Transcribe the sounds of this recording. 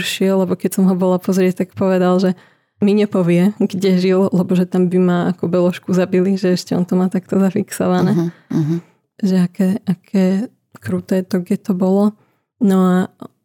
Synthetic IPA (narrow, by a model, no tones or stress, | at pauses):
ɾʃɪɛlːɛbɔkɛcsɔmɦɔbɔlapɔzɾɪɛc̚t̪akpɔʋɛd̪alʒɛ | miɲɛpɔʋɪɛɡɟɛʒillɛbɔʒɛt̪ambimaakɔbɛlɔʃkuzabiliʒɛɛʃcɛɔ̰nt̪ɔmaːt̪akt̪ɔzafiksɔ̰ʋanɛː | ʒɛakɛːʔakʰɛː | kɾuːt̪ɛːt̪ɔɡɟɛt̪ɔbɔlɔ | nɔa